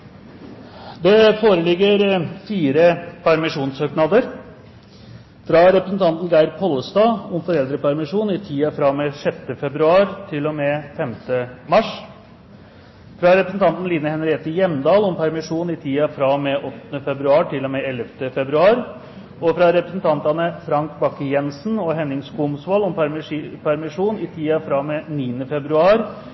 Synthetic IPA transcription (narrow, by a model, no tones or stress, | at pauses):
d̪ɛfoːɾəlɪɡːəɾfiːɾəpʰæɾmɪʂuːnsøːknɑːd̪əɾ | fɾɑɾɛpɾəsn̩t̪ʰɑnt̪nɡæɪɾpʰɔlːəst̪ɑːɔmfɔɾɛld̪ɾəpæɾmɪʂuːnɪt̪ʰiːɑfɾɑmɛʂɛt̪ːəfɛbɾʉɑːɾt̪ʰɪlːɔmɛːfɛmt̪əmɑʂ | fɾɑɾɛpɾəsn̩t̪ɑnt̪n̩liːnəhɛnəɾeːt̪əjɛmd̪ɑːlɔmpʰæɾmɪʂuːnɪt̪ʰiːɑfɾɑmɛʔɔt̪ːənəfɛbɾʉɑːʈʰɪlːɔmeːɛlːəft̪əfɛbɾʉɑːɾ | ɔfɾɑɾɛpɾəsnt̪ʰɑnt̪ɑnəfɾɑŋkbɑkːəjɛnsnɔɦɛnɪŋskʊmsʋɑːlʊmpɾpʰæɾmɪʂuːnɪt̪ʰiːɑfɾɑːmeniːənəfɛbɾʉɑːɾ